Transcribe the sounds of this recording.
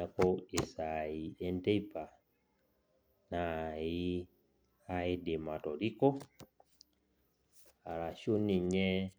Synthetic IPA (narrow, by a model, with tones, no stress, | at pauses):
a˦˨ko˦e˨sa˨i˨e˦nte˦i˦pa˨ | na˨ji˦ | ha˦e˦de˨ma˨to˨ɾi˦ko˦ | a˨la˨ʃo˦ni˨ɲe˦